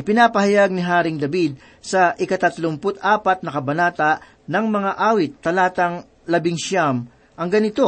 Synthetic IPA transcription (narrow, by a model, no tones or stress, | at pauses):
ʔɪpɪnaːpɐhɐjaɡ̚nɪɦaːɾɪŋd̪ɐbid̪̚ | sɐʔɪkɐt̪ɐt̪lʊmpʊt̪aːpɐt̪̚nɐkɐbɐnaːt̪ɐʔ | nɐŋmɐŋaʔaːwɪt̪ːɐlaːt̪ɐŋ | lɐbɪŋʃam | ʔɐŋɡɐnɪt̪o̞